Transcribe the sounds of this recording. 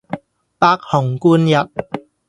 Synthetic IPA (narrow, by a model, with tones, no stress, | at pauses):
paː˧k̚hʊ˨˩ŋkuː˧njɐ˨t̚